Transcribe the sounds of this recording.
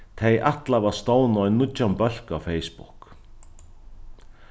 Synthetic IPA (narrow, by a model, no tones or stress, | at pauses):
t̪ʰejʔaht̪lavast̪oːwnaanːʊtːampœl̥ka̰wfeːjspuk